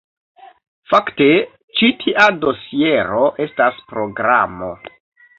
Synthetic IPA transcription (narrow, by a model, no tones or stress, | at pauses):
fakte̞ | t͡ʃitʰiʔado̞sie̞ɾo̞ʔe̞staspɾo̞ɡɾa̰mo̞̰